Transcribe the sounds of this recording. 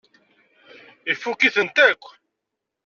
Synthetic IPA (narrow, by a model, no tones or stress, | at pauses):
ifːukiθənt̪ækʷː